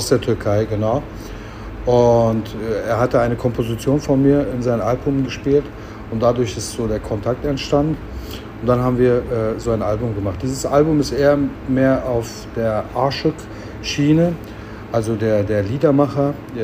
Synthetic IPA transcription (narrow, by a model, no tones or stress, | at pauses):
ʊsd̥eːɐtʰʏɐkʰaɪɡənaʊ | ʔʊntɛʔeːɐɦatəaɪnəkʰɔmpozit͡sjoːnfɔnmiːɐɪnzaɪnənʔalbʊmɡəʃpiːlt | ʔʊnt̚d̥adʊɐçɪstz̥oːdeːɐkʰɔntʰak̚tɛntʃtant | ʊntd̥anɦaːbm̩viːɐʔɛːzoːaɪnʔalbʊmɡəmaχt̚d̥iːzəsʔalbʊmɪstʔeːɐ | meːɐʔaʊf | d̥eːɐʔaɐʃʊk | ʃiːnə | ʔalzodeːɐdeːɐliːdɐmaχɐ